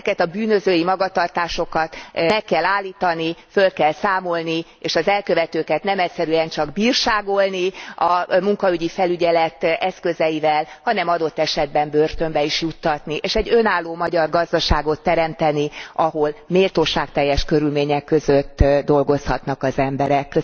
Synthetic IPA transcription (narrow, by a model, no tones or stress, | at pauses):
kɛt̪ɒbyːnø̞zøːjimɒɡɒt̪ɒrt̪aːʃo̞kɒt̪mɛkːɛlːaːlːiːt̪ɒnifø̞lkɛlsaːmo̞lni | eːʃɒzɛlkø̞vɛt̪øːkɛt̪nɛmɛcsɛɾyɛnt͡ʃɒɡbiːrʃaːɡo̞lniɒmuŋkɒyɟifɛlyɟɛlɛt̪ɛskø̞zɛivɛlhɒnɛmɒd̪o̞t̪ːɛʃɛd̪̚bɛmbørt̪ø̞mbɛiʃjut̪ːɒt̪niʔeːʃɛɟø̞naːlːoːmɒɟɒrɡɒzd̪ɒʃaːɡo̞t̪ːɛɾɛmt̪ɛniɒɦo̞lmeːlt̪oːʃaːk̚t̪ɛjːɛʃkø̞ɾylmeːɲɛkːø̞zøt̪ːd̪o̞lɡo̞shɒt̪nɒkɒzɛmbɛɾɛk